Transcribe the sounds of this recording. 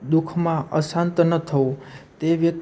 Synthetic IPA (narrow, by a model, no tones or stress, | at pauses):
d̪ukʰmãəsãnt̪nət̪ʰəõt̪eʋjək̚